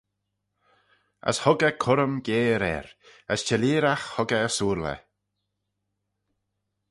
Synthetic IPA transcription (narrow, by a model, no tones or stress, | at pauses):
ə̰shʊɡəkʰʊɾəmɡeːɾɛ̰ɾəst͡ʃɛliːɾaxhʊɡəəsuːɾlə̰